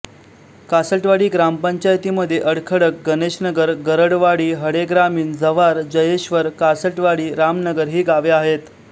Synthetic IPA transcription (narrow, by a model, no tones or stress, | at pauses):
kasəʈʋaɽiːɡɾampəɲt͡ɕajt̪iːməd̪ʱːjeʔəɽkʰəɽək̚ɡəneɕnəɡəɾɡəɾəɽʋaɽiːɦəɽeɡɾamiːnd͡zəʋaɾd͡ʑəjeɕʋəɾkasəʈʋaɽiːɾamnəɡəɾɦiːɡaʋeaɦet̪